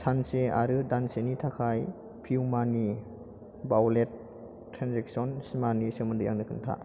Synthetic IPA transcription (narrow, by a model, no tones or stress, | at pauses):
sansea̰ɾɯdansenitʰakʰaj | pʰiwmani | bawletʰː | ɾanzek̚sɔnsimanisɯmɯndɯja̰ŋnɯkʰɯntʰa̰